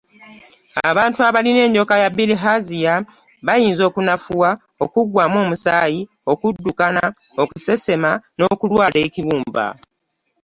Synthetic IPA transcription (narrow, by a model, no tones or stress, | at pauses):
a̰βaːntuaβaline̞ːɲɟo̞kajabiliɦazija | βajiːnzo̞ːkunafuwa | o̞kuɡwaːmo̞ːmusaːji | okudːukana | o̞kuse̞se̞mano̞ːkulwaːleːciβuːmba̰